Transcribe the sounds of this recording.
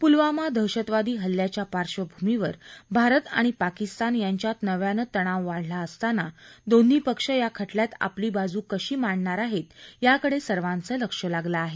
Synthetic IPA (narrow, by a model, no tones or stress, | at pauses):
pulʋamad̪ʱəwɕət̪ʋad̪iːɦəlːjat͡ɕjapaɾʂəbʱumiʋəɾbʱaɾət̪a̰ɽ̃ipakist̪anjaɲt͡ɕjat̪nəʋjanət̪əɽ̃aʋːaɽ̤laəst̪anad̪onːiːpəkʂəjakʰəʈljat̪a̰pliːbad͡zuːkəɕiːmaɽɳaɾaɦet̪jakəɽesəɾʋãnt͡səːləkʂəlaɡlaːɦe